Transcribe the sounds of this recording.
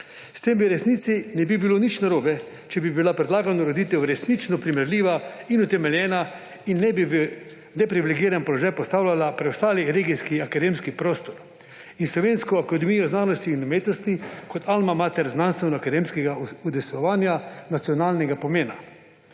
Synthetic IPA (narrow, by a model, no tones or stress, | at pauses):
st̪embiɾɛsniːt̪sinɛbibilonit͡ʃnaɾoːbɛ | t͡ʃɛbibilapɾɛd̪laːɡanɔɾod̪it̪ɛwɾɛsnit͡ʃnɔpɾimɛɾliːʋainut̪ɛmɛljɛːna | inːɛbibi | nɛpɾiʋilɛɡiːɾanpɔlɔʒaːjpɔst̪aːwlʲjalapɾɛwst̪aːliɾeːɡijskiakad̪emskipɾoːst̪ɔɾ | inslɔʋenskɔakad̪ɛmijɔznaːnɔst̪iːnumeːt̪nɔst̪ikɔt̪ʰalmamaːt̪ɛɾznanst̪ʋɛnɔakad̪emskɛɡaud̪ɛsɔʋaːnjanat̪sijɔnaːlnɛɡapɔmeːna